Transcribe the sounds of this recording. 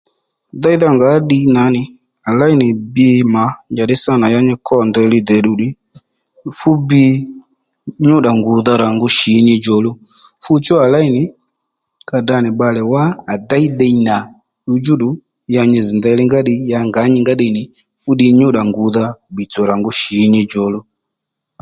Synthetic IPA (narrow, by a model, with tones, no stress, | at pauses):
da˦i˦ða˦˨ŋɡa˨˦ɗi˦na˨˦nɪ˨ | a˨la˦i˦nɪ˨bi˦e˧ma˨˦ɲd͡ʒa˨ɗi˦sa˦˨na˨ja˧˦ɲɛ˦kɔ˦˨ndɛ˧˦li˦dɛ˨ɗu˨ɗi˦ | fu˦bi˦ | ɲu˦ɗa˨ŋɡu˨ða˧ɾa˨ŋɡu˦ʃi˨˦ɲi˧d͡ʒɔ˨lu˦ | fu˦t͡ʃɔ˦a˨la˦i˦nɪ˨ | ka˧da˨˧ni˨ɓa˧lɛ˨waː˦˨da˦i˦dɛ˦˧i˧na˨ | ɗu˨˧d͡ʒu˦ɗu˨ | ja˧ɲɛ˧zi˨nda˨˧li˦ŋɡa˦ɗi˧ja˧ŋɡa˨˦ɲi˧ŋɡa˦ɗi˧˨nɪ˨ | fu˦ɗi˧ɲu˦ɗa˨ŋɡu˨˦ða˦bi˨t͡sɔ˨ɾa˨ŋɡu˦ʃi˨˦ɲi˧d͡ʒɔ˨lu˦